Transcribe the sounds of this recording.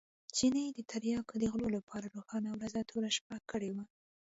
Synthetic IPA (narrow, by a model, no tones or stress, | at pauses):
t͡ʃinəjd̪ət̪ʰaɾjɑkd̪əɣlolapʰɑɾaɾoxɑnawɾazat̪ʰoɾaʃpakəɽewa